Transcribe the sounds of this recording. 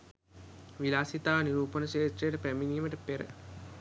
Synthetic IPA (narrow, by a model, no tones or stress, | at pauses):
ʋilaːsit̪aːʋniɾuːpənəʃeːt̪ɾejəʈəpæminiːməʈəpeɾə̰